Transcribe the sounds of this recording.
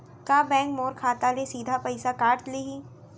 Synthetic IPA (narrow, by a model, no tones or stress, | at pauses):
kaːbɛ̃ːŋkmoːɾkʰaːt̪alesiːd̪ʱapɐɪsakaːɾt̪leɦiː